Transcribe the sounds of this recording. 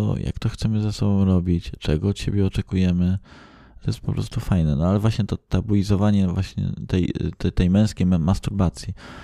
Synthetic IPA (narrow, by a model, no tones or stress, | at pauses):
ɔ̰ja̰kt̪ɔxt̪sɛmɘzasɔbɔ̃w̃ɾɔbʲit͡ɕt͡ʂɛɡɔːt̪ɕebʲjɛɔt͡ʂɛkujɛmɘ | t̪ɔjɛst̪̚pɔpɾɔ̰st̪ufajnɛnɔalɛvwaɕɲɛt̪ɔt̪abuizɔvaɲɛvwaɕɲɛ̰t̪ɛj̪ɛt̪ɛjmɛ̃w̃skʲejmast̪uɾbat̪sʲji